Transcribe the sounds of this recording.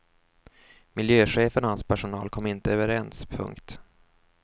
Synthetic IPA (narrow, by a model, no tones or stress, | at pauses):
mɪljøːɧeːfənhanspʰæʂʊnɑːlkʰɔmːɪnt̪əøːvəɾɛnspʰɵ̰ŋkt̪